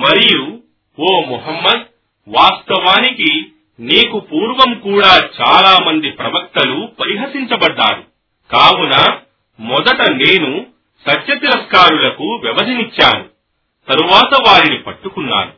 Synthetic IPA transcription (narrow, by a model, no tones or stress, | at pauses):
mɐɾiju | oːmuɦɐmːɐd̪̚ | ʋaːst̪ɐʋaːniki | niːkupuːɾʋɐmkuːɽaːt͡ʃaːlaːmɐnd̪ipɾɐʋɐkt̪ɐlupɐɾiɦɐsiɲt͡ʃɐbɐɖːa̰ːɾu | kaːwunaː | mɔd̪ɐʈɐne̞ːnu | sɐt̪jɐt̪iɾɐskaːɾulɐkuʋjɐʋɐsɐnit͡ʃːaːnu | t̪ɐɾuʋaːt̪ɐʋaːɾinipɐʈːukunːa̰ːnu